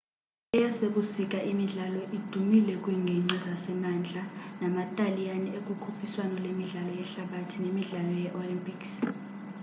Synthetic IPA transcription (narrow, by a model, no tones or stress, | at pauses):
ɛjaseɓusik̬ʼaʔimiɮalɔʔid̥ʱumilɛk̬ʼwiŋʱɛŋ͡ǀizasɛmand͡ɮʱanamatʼalijaniek̬ʼukʰupʰiswanɔlemiɮalɔjɛɬaɓatʰinemiɮalɔjɛʔolimpʰiks